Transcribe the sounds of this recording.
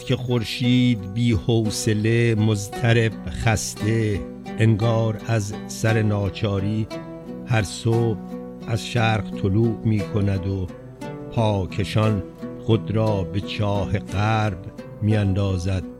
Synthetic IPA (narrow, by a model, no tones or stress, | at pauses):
kʰe̞χoɾʃiːd̪biːhoːse̞le̞mozt̪ʰæɾe̞b̥χæst̪e̞ː | ŋɡɒːɾæz | sæɾe̞nɒːt͡ʃʰɒːɾiː | hæɾsoːb̚ | æzʃæːɾɣt̪ʰoluːʔmiːkʰo̞næd̪o | pʰɒːkʰe̞ʃɒn | χod̪ɾɒːbe̞t͡ʃʰɒːhe̞ɢæːɾb | miːænd̪ɒːzæd̪̥̚